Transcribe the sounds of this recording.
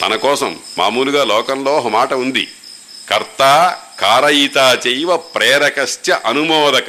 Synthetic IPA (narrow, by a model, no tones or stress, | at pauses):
t̪ɐ̰nɐkɔːsɐ̰mːa̰ːmuːluɡaːlɔːkɐmloːɦɐmaːʈɐund̪ḭ | kɐɾt̪aːkaːɾɐjit̪aːt͡ʃejʋɐpɾɛːɾɐkɐʃtjɐʔɐnumɔːd̪ɐk